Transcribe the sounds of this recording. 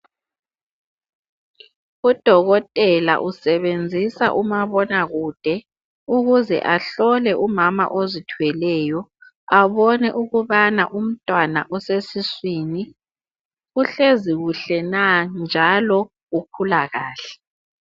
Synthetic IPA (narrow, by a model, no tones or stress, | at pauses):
ud̥ʱɔɣɔtʼɛla̰ʔusɛβend͡zʱisa̰ʔumaβɔnaɣud̥ʱɛ | uɣuzɛ̰ʔaɬɔlɛʔumama̰ʔozitʰuwɛlɛːjɔ | aβɔnɛʔuɣuβana̰ʔum̩tʼwanaʔɔsesiswiːni | uɬeziɣuɬɛnand͡ʒʱalɔ | ɣukʰulaɣaːɬɛ̥